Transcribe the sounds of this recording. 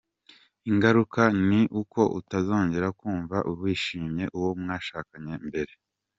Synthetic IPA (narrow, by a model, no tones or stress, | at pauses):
iŋɡaɾukaniʔuko̞ʔṵtazo̞ːɲɟe̞ɾakuːɱvaʔuβwiːʃiːmɲe̞ʔuwo̞mŋaːʃaːkaɲe̞mbe̞ɾe̞